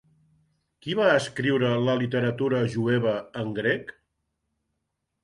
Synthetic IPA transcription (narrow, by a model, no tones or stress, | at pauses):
kiβaəskɾiwɾələlit̪əɾət̪uɾəʒueβ̞əəŋɡɾɛk